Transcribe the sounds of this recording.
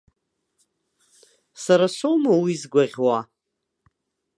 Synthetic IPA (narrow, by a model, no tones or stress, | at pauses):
saɾaʃʷowmawizɡʷaʁʲwa